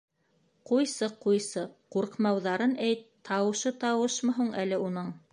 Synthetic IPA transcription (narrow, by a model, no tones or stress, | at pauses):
qujsɤqujsɤquɾqmɑwðɑɾɤnæjt̪ʰː | ɑwɤ̆ʃɤt̪ɑwɤʃmɤ̆ɦuɴʔælɘunɤɴ